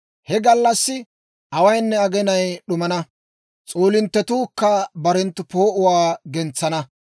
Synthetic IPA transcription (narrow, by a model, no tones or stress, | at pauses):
hɛɡɐlːɐsːɪ | ʔɐwɐjnːɛɐɡɛnɐjɗʊmɐnɐ | t͡sʼoːlɪnt̪ːɛt̪uːkːɐbɐɾɛnt̪ːʊpoːʔʊwaːɡɛnt͡sːɐnɐ